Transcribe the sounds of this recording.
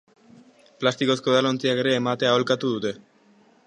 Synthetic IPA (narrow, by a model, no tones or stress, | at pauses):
plast̪iko̞sko̞ðalont͡siake̞ɾe̞ːmat̪e̞aolkat̪uðut̪e̞